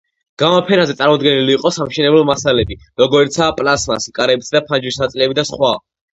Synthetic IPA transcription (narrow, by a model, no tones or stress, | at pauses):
ɡ̥amɔpʰɛnazɛt̪sʼaɾmɔd̪ɡɛniliːqʼɔsamʃɛnɛblɛlmasalɛbiɾɔɡɔɾit̪sʰaːpʼlasmasikʼaɾɛbit̪ʰd̪apʰand͡ʒwisnat̪sʼilɛbid̪asχwa